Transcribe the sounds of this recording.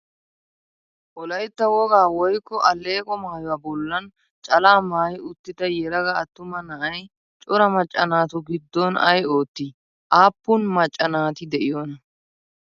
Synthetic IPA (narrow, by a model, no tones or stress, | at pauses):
ʔɔlɐjt̪ːɐwɔɡaːwɔjkːɔʔɐlːe̞ːkʼɔmaːjɔwaːbɔlːɐn | t͡ʃʼɐlaːmaːjʊt̪ːɪd̪ɐjɛɾɐɡɐːt̪ːʊmɐnɐʔɐj | t͡ʃʼɔɾɐmɐt͡ʃʼːɐnaːt̪ʊɡɪd̪ːɔnɐjoːt̪ːi | ʔaːpːʊnmɐt͡ʃʼːɐnaːt̪ɪd̪ɛʔɪjɔnɐ